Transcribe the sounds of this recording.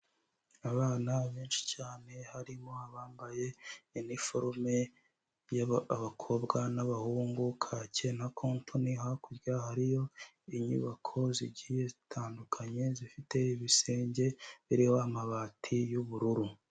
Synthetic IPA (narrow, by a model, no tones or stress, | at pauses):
aβaːnaβeːnʃi̥caːne̞haɾimo̞haβaːmbaje̞inifoɾme | jaβakʰo̞bɡanaβahuːŋɡukʰaːce̞nakʰoːntʰonihakuɾjahaɾijo̞ | iɲṵβakʰo̞ziɟije̞zitʰaːndukʰaɲe̞zifite̞iβiseːɲɟe̞βiɾiho̞amaβatʰijuβuɾuɾu